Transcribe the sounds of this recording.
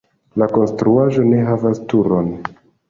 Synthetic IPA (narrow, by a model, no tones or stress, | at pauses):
lako̞nstɾuaʒo̞ne̞ɦavastuɾo̞n